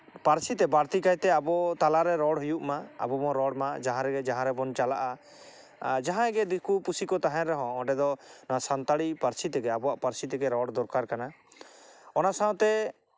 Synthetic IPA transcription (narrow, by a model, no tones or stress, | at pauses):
paɾsit̪ɛbaɾt̪ikajt̪ɛabɔt̪alaɾɛɾɔɽɦujuʔmaa̰bɔmɔɾɔɽmad͡ʒaɦãɾɛɡɛd͡ʒaɦãɾɛbɔnt͡ʃalaʔa | d͡ʒaɦãɛɡɛd̪ikupusikɔt̪aɦɛ̃ɾːɔɦɔ̃ːɖɛd̪ɔnasant̪aɽipaɾsit̪ɛɡɛabɔaʔpaɾsit̪ɛɡɛɾɔɽd̪ɔɾkaɾkana | ɔnasaw̃t̪ɛ